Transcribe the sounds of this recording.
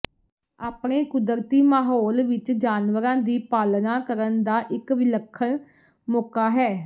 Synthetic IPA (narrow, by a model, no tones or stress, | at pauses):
aːpɳeːkʊd̪əɾt̪iːmaːɦoːlʋɪt͡ʃd͡ʒaːnʋəɾãːd̪iːpaːlnaːkəɾənd̪aːʔɪkʋɪləkʰːən | moːkaːɦɛː